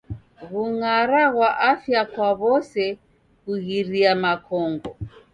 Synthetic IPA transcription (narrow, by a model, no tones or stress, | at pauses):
ɣuŋaɾaɣwaʔafjakwaβɔsɛ | ɣuɣiɾiamakʰɔŋɡɔ